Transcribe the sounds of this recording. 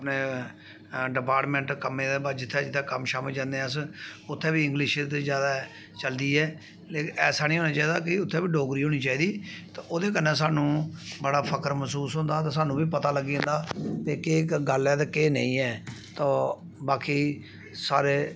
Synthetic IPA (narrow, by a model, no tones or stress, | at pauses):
əpneː | ɖɪpaːɾʈmɛ̃ːɳʈkəmːẽːd̪eːbad͡ʒɪt̪ʰːɛːd͡ʒɪt̪ʰːeːkəmʃaːməld͡ʒãːnd̪ẽəsʊt̪ʰːɛ̃ːʋiːɪ̃ŋɡlɪʃt̪ezjaːd̪aː | t͡ʃəld̪iːɛː | leːkɛːsaːnĩːɦoːnaːt͡ʃaːiːd̪aːkɪʊt̪ʰːɛ̃ːbiːɖoːɡɾiːɦoːñiːt͡ʃaːiːd̪iːt̪aːʔoːd̪eːk̬ənːɛ̃ːs̬aːnũːbəɽaːpʰəkəɾməsuːsɦʊ̃nd̪aːt̪aːsaːnũːʋiːpət̪aːləɡːiːɦə̃nd̪aːpeːkeːɡəlɛːt̪eːkeːnə̰̃ĩːɛːt̪ãː | baːkiː | saːɾeː